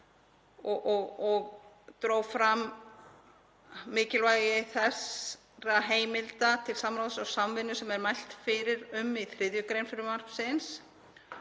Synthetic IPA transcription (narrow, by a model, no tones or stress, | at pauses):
ɔʔɔɣɔɣ | t̪ɾoːwfɾam | mɪːcɪlvaːjɣɪθɛs | ɾaɦeːjmɪlt̪at̪ʰɪlsamɾawðsawsamvɪnːʏsɛmɛɾmajl̥t̪fɪɾɪɾʏmiθɾɪðjʏkɾejnfɪɾʏmar̥ksɪns